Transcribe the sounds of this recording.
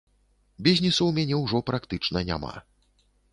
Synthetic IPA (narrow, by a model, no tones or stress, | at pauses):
bʲizʲnʲisuwmʲanʲɛwʐɔpɾʔakt̪ɨt͡ʂnɐnʲa̰ma̰